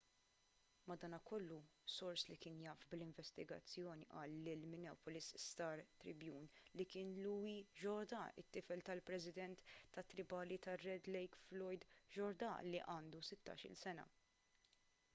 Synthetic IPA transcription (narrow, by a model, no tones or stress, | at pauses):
mɐd̪ɐːnɐkɔlːusɔɾslikɪːnjɐːfblɪɱvɛst̪ɪɡɐ̰t͡sːjɔːniʔɐːlːɪlmɪnɛːpɔlɪsst̪ɐːɾt̪ɾɪbjuːnlikɪːnluːiʒɔɾd̪ɐɪ̰t̪ːɪfɛlt̪ɐlpɾɛsɪd̪ɛnt̪ːɐt̪ːɾɪbɐːlit̪ɐrːɛd̪lɛjkflɔjd̪ʒɔɾd̪ɐ̰liʔɐːnd̪usɪt̪ːɐ̰ːʃɪ̰lsɛnɐ̰